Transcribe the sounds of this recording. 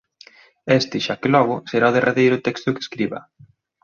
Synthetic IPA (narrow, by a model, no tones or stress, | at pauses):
est̪ɪʃakɪlɔɣ̞ʊseɾaʊðerʔaðejɾʊt̪ɛkst̪ʊke̥skɾiβɐ̰